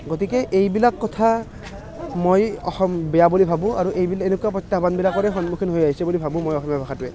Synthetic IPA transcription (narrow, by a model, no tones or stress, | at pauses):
ɡotikɛʔejbilakːɔtʰa | mojɔ̰xɔmbɛjabulibʱabʊ̃aɹuʔejbilenʊkuapɹɔtːabanbilakɔɹɛxɔnmukʰinɦojaɦisɛbulibʱabʊ̃mojɔxɔmijabʱaxatʊɛ